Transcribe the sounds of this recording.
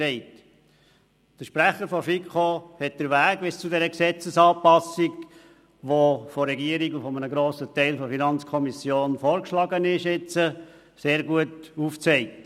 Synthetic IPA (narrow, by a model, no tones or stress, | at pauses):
ɛɪt | d̥əʃpɾæχəɾfɔfikχohɛt̚d̥əɾʋæːɡbɪst͡sudɛɾəksɛt͡səsɑːpɑsiɡ | ʋofɔɾɛɡiəɾiɡufɔmənəɡɾoːsətɛɪlfɔfinɑnt͡skʰɔmisjoːnfɔːɾkʃlɑɡənɪʃɪt͡sə | seːɾɡuətuft͡sɛɪk̚t